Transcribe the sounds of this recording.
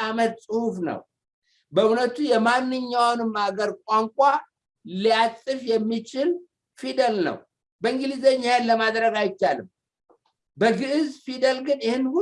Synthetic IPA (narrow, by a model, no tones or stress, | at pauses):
amət̪sʼɨhufnə̰w | bəɨwnət̪ʰujɛmanːɨɲːawnɨmaɡəɾkʷʼaŋkʷʼa | liat͡sʼːɨfjɛmːit͡ʃɪl | fid̪əlnə̰w | bəɨŋɡɨlizeɲːajallːəmad̪ɾəɡajɪt͡ʃːalɨm | bəɡɨʔɨzfid̪əlɡɨnjɪhɨnːhu